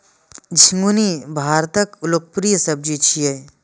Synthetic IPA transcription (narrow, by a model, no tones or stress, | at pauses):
d͡ʒʱĩŋɡunibʱaːɾt̪əkʊlok̚pɾijəsɐb̚d͡ʒit͡ʃʰije